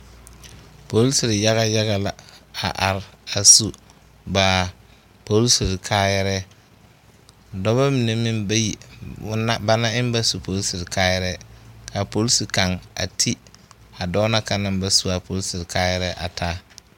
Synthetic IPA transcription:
po˦lsɪ˨ɾɪ˨ja˦ɣa˦ja˦ɣa˨la˨a̰˨ʔa˨ɾa˨su˨ | baː˨ | po˦lsi˨ɾkʰaː˦jɛ˦ɾɛ˦ | dɔ˦βa˦mi˨ne˨mi˦mba˦ji˨˦ | a˦ba˦na˦ɪ˦m˦ba˦su˨po˦lsi˨ɾɪ˨kaː˦jɛ˦ɾɛ˦ka˨po˦lsi˨ka˨ŋa̰˨tʰi˦ | a˨dɔː˦na˦ka˨na˨mba˨su˦a˨pʰo˦lsɪ˨ɾɪ˨kaː˦jɛ˦ɾɛ˦ʔa̰˨tʰaː˦

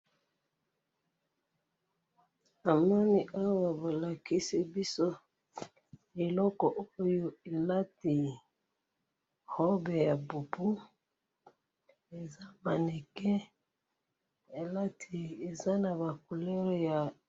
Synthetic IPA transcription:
a˨mɔ˦ni˦ʔa˦wa˨bo˨la˨ki˦si˦bi˦so˦ | e˨lɔ˦kɔ˨ʔo˦jo˦e˨la˦ti˨ | hɔ˦be˨ja˨bu˨pu˦ | e˨za˦ma˨ne˨kɛ˦ | e˨la˦tʰi˨e˨za˦na˨ba˨ku˨lɛ˦ɾɛ˦ja˨

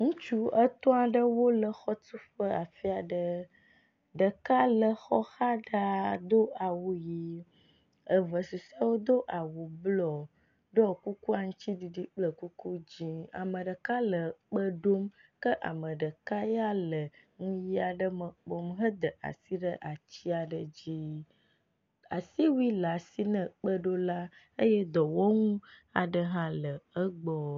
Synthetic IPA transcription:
ŋũ˦t͡ʃu˦ə˦t̪ɔ̃˦a˨ɖə˦wo˦lə˨xɔ˦t̪u˦ɸə˦a˨fi˦a˨ɖə˦ | ɖə˨ka˦lə˨xɔ˦xa˦ɖa˦d̪o˦ʔa˨wu˨ji˦ | ə˨və˨su˨sa˦wo˦d̪o˦ʔa˨wu˨blɔ˨ | ɖɔ˦ku˦ku˦a˨ŋũ˦t͡ɕi˦di˨ɖi˦k͡plə˨ku˦ku˦d͡ʑi˦a̰˨mə̃˨ɖə˨ka˦lə˨k͡pə˦ɖo˦mkə˦ʔa̰˨mə̃˨ɖə˨ka˦ja˦lə˨ | ŋũ˦ji˦a˨ɖə˦mə˨k͡pɔ˨mɦə˦d̪ə˨ʔa̰˨si˦ɖə˦ʔa˨t͡ɕi˦a˨ɖə˨d͡ʑi˦ | a̰˨si˦wi˦la˨si˦nə̃˨k͡pə˦ɖo˦la˦ | ə˦jɛ˦d̪ɔ˨wo˦ŋũ˦a˨ɖə˦ɦã˦lə˨ə˦ɡ͡bɔ˦

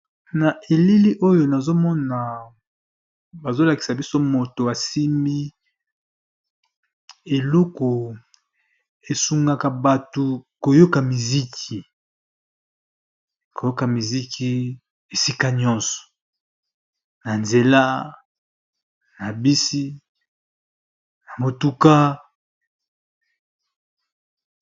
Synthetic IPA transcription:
na˨ʔe˨li˦li˦ʔo˦jo˨na˨zo˦mɔ˦na˨ | ba˨zo˦la˨ki̥˨sa˨bi˦so˦mo˨to˨a˨si˦mbi˦ | e˨lu˦ko˨ | e˨su˨ŋɡa˨ka˨ba˨to˨ko˨jo˦ka˨mi˨zi˦kʰi˨ | ko˨jo˦ka˨mi˨zi˦kʰi˦ | e˨si˦ka˦ɲɔ̃˦nsɔ̥˨ | na˨nze˨la˦ | na˨bi˦si˦ | na˨mo˨tu˦ka˦

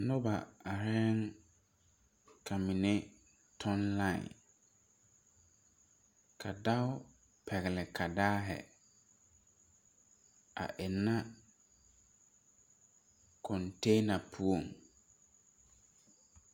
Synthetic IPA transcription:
nʊ˦ba˨a˨ɾɛ˦ŋ | kʰa˨mɪ˨ne˦ | tʰɔ˦nla˦˨ɪ̰˨ | kʰa˨da˦ʊ˦ | pʰɛ˨ɣɪ˨lɪ˨kʰa˨daː˦ɦɛ̰˨ | a̰˨ʔɪ˨nːa˦ | kʰɔ˨nte˦na˨pʰu˦o˨ŋ

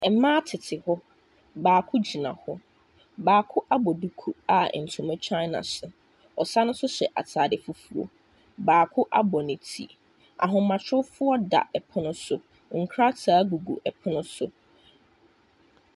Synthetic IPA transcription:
ɛ˨mãː˦tʰɪ˨tʰɪ˨hɔ˦ | baː˨kʰʊ˦d͡ʑi˨nã̰˨hɔ˦ | baː˨kʰʊ˦ʔa˦bɔ˨du˦kʰu˨a˨n̩˨tʰʊ̃˨mɛ̃˦t͡ɕʰa˦na̰˨sʊ˨ | ɔ˨sa˦nʊ̃˦sʊ˦ɕɛ˨ʔa̰˨tʰaː˨dɪ˨fu˦fu˨o̰˨ | baː˨kʰʊ˦ʔa˦bɔ˨nɪ̃˨tʰḭ˦˨ | a̰˨ɦʊ̃˨mã˨t͡ɕʰᶣʊ˦fʊ˦ɔ˦da̰˨ʔɛ˨pʰʊ˦nʊ̃˦sʊ˦ | ŋ̩˨kʰɾa˦tʰaː˨˦ɡu˨ɡṵ˨ʔɛ˨pʰɪ˦nʊ̃˦sʊ˦

